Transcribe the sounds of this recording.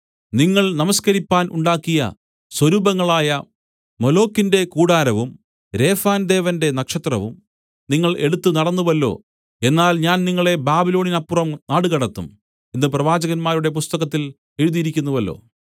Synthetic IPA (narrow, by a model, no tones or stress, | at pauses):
niŋːɐɭnɐmɐskɐɾipːaːnʔṵɳɖaːkːijɐ̰ | swɐɾuːbɐŋːɐɭaːjɐ | molo̞ːkːinde̞kuːɽaːɾɐʋum | ɾe̞ːfaːnd̪e̞ːʋɐnde̞nɐkʂɐt̪rɐʋum | niŋːɐɭeɽut̪ːunɐɽɐnːuʋɐlːo̞̰ː | e̞nːaːlɲaːnniŋːɐɭe̞baːbilo̞ːninɐpːurɐmnaːɽɨɣɐɽɐt̪ːṵm | inːɨprɐʋaːd͡ʑɐɣɐnmaːɾuɽe̞p̬ust̪ɐɣɐt̪ːil | e̞ɾuðijiɾikʲːunːuʋɐlːo̞̰ː